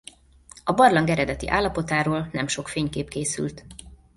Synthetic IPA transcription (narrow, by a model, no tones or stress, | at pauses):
ɒbɒrlɒŋɡɛɾɛd̪ɛt̪ḭʔa̰ːlːɒpo̞t̪aːɾoːlnɛmʃo̞kfeːɲkeːpkeːsy̰lt̪